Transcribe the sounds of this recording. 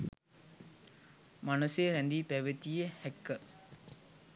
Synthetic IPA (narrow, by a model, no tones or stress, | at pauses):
manəseɾɛnd̪ipæʋet̪ijehɛkːə